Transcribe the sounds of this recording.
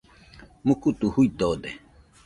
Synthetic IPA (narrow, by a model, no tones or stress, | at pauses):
mukut̪uhuid̪od̪e